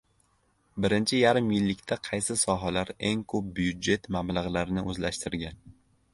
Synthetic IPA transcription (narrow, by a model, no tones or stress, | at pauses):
bɪɾɪnt͡ʃʰɪjaɾɪmjɪlːɪkʲt̪ʰaqʰɑjsɪsɒɦalaɾe̞ŋkʰɵp̚bʊjʊd̪d͡ʒe̞t̪mablaʁlˠaɾɪnɪʔɵzlaʃt̪ɪɾɡʲan